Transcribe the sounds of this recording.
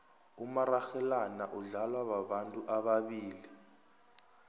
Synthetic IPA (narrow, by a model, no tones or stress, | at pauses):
umaraxɛlanaʔuɮalwaɓaɓantʼuʔaɓaɓiːli